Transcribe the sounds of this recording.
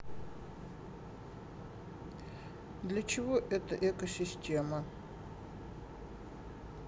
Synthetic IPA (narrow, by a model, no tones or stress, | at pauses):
d̪lʲɐt͡ʃʰɪvoʔɛt̪ɐʔɛkosʲistʲʰemɐ